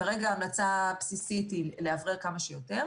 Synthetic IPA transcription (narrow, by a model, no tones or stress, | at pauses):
aʁeɡaːmlat͡sapsisitileavʁeʁkamaʃejote̞ʁ